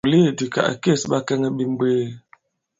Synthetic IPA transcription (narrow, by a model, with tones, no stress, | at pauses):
li˦˨di˨ka̰˨ʔke˦˨sba˦kɛ˦ŋə˦bi˨m˦beː˦